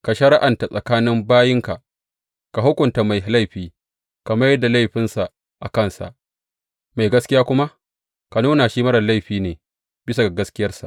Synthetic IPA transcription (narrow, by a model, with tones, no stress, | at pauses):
ka˨ʃɐ˦ɾɪ˦ʔa˨nta˨sʼɐ˨kaː˦nɪ˦mbaː˦jɪ˦ŋka˨ʔ | ka˨ɦʊ˦kʷʊ˨nta˨ma˨jla˦jɸiː˨ | kɐ˨mɐ˦jɐ˦dːa˨la˦jɸɪ˦nsa˨ʔ | ʔa˨kɐ˦˨nsa̰˨ʔ | ma˨jɡɐ˦skʲɪ˦jaː˦kʷʊ˦ma˦ʔ | ka˨nuː˦na˨ʃiː˦mɐ˦ɽɐ˨la˦jɸiː˨neː˨ | bɪ˦s̬a˨a˨ɡɐ˦skʲɪ˦jɐ˦rsa̰˨ʔ